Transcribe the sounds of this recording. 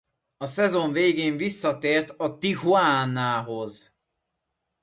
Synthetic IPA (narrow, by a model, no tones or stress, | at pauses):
ɒsɛzo̞ɱveːɡeːɱvisːɒt̪eːrt̪ɒt̪iɦuaːnːaːɦo̞z